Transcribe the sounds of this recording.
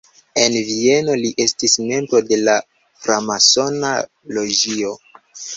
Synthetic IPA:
e̞nvie̞no̞liʔe̞stisme̞mbɾo̞de̞la | fɾamaso̞na | lo̞d͡ʒio̞

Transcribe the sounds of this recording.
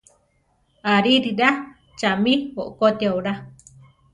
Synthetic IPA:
aɾiɾiɾa | t͡ʃamiwoʔokot̪iawɾa

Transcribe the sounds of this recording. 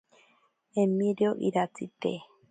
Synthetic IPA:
emĩɾeoʔiɾat͡sit̪e

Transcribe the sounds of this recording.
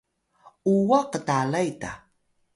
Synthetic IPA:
uwaqətalajta̰

